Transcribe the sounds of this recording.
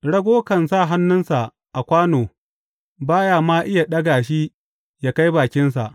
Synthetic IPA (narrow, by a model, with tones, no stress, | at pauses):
ɽɐ˦ɡʷoː˦kɐ˨nsaː˦˨ɦa˦nːʊ˦nsa˨ʔ | ʔa˨kʷaː˦noː˨ | baː˦jaː˨maː˦ʔɪ˦ja˨ɗɐ˦ɡaː˨ʃ̬i˦ | jaː˦ka˦jbaː˨kʲɪ˦nsa˨ʔ